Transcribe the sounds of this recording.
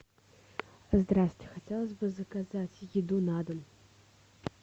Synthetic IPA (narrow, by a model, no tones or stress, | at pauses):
zd̪ɾasʲɪtʲɪ̥xɐtʲelˠəzʲbɨzəkazatʲjɪd̪unad̪əm